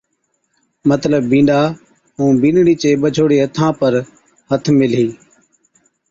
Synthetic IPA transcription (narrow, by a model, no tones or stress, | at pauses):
mət̪ləbːĩːɳɖaː | ɦũːbĩːnɽiːt͡ʃeːɓəd͡ʒʱoːɽeːət̪ʰãːpəɾ | hət̪ʰmɪliː